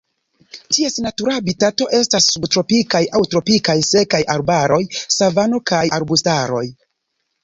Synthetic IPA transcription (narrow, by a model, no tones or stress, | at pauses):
tie̞snatuɾabitato̞ʔe̞stasːubtɾo̞pikajawtɾo̞pikajse̞kajʔaɾbaɾo̞jsavano̞kajaɾbustaɾo̞̰j